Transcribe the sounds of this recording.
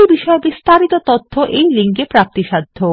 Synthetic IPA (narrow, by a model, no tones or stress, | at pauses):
ibiʃɔebist̪aɾit̪ot̪ot̪ʰːoʔejliŋkepɾap̚t̪iʃad̪ʱːo